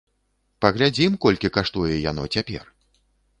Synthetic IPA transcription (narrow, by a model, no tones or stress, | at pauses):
pɐɣlʲad͡zʲimkɔlʲkʲikaʂt̪ujɛja̰nɔ̰t͡sʲapʲɛ̰r